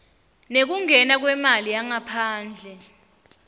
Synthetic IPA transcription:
nek̬uŋɛnak̬wɛmaliaŋapʰaːnd͡ɮʱɛ

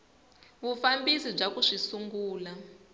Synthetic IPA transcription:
βufambisib͡ʐakuʂisuŋɡuːla

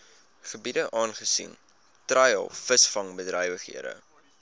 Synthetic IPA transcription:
χəbidəʔɑːnχəsḭn | trɐjɑ̰lˠfəsfɐŋbədrəjvəχḭədə̰

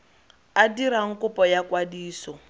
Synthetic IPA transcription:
adiɾaŋ̩kʼʊpʼɔjakwadiːsɔ

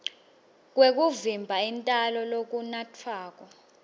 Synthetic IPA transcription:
k̬wek̬uvimbʱaintʼalɔlok̬unatʰaːk̬ɔ

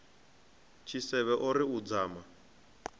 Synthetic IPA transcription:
t͡ʃʰisɛβɛʔoɾiud͡zaːma

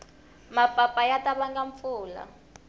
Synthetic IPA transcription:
mapʼapʼajatʼaɓaŋɡaɱp̪fuːla̰

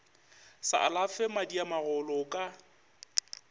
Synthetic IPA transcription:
sa̰ʔa̰lafɛmadiamaɣʊlɔkʼa

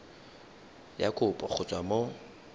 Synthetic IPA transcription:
ja̰kʼʊpʼɔχʰʊt͡sʼwamo

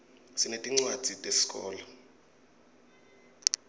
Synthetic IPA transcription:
sinetʼiŋ͡ǀwad̥d̥ʱitʼesi̥kʼɔ̰ːla

